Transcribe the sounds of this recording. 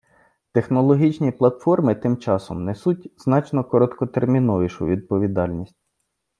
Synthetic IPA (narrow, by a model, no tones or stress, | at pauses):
t̪exnɔlˠɔɦʲit͡ʃnʲiplˠɐt̪fɔrmɪt̪ɪmt͡ʃɑsɔ̰mnɛsutʲz̥nɑt͡ʃnɔkɔɾɔt̪kɔt̪ermʲinɔʋiʃʊ̰ʋʲid̪̚pɔʋʲid̪ɑlʲnʲisʲtʲ